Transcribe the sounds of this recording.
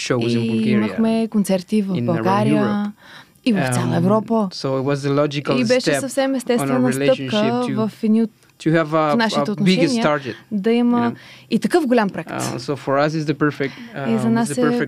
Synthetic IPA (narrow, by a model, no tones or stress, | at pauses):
ʃõimɐxmɛkont̪sɛɾt̪ivɐbɐlˠɡaɾijə | ivɐft̪sʲjalˠəɛvɾɔpəsoɪtwɔzəlɔd͡ʒɪkəlibɛʃɛɐfsɛmɛst̪ɛsvɛnɐsleɤʃ̚kəvɐfɛd̪iot̪ʰ | ɨəvfnaʃit̪ɛot̪noʃɛniəaɹɡɛtd̪ɐimə | it̪ɐkəfɡolʲampɾoɛktsofɔɹɐsɨzðəpɜ˞fɪk̚tizɐnasɛ